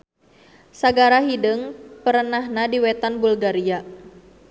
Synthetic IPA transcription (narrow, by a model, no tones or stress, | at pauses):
saɡaɾaɦidəŋpəɾənahnadiwɛt̪anbulɡaɾia